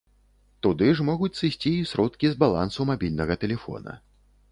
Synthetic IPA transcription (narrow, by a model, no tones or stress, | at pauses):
t̪ud̪ɨʐmɔɣut͡sʲsɨsʲt͡sʲiːsɾɔt̪kʲizbalˠa̰nsumabʲilʲnɐɣɐt̪ɛlʲɛfɔ̰nɐ̰